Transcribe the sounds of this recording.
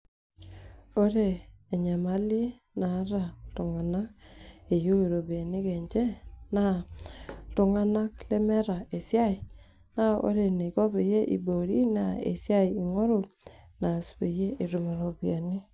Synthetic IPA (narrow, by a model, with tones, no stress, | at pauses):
o˦ɾeː˨ɲa˨ma˦li˦ | na˨˦ɾa˨tu˨ŋa˨na˦k̚e˨jo˦i˨ɾo˨ba˨nɪ˦ke˨ɲd͡ʒe˦na˦˨ | tʊ˨ŋa˦na˦k̚le˦mɛ˦ɾa˨e˨sja˦ɪ˨ | na˦o̰˦ɾe˨ne˨ko˦be˨je˦ʔḭ˨bo˨ɾi˦na˨ḛ˨sja˦i˨i˨ŋo˦ɾo˦na˨spe˨je˦i˨ɾu˨me˨ɾo˨bi˨a˨ni˦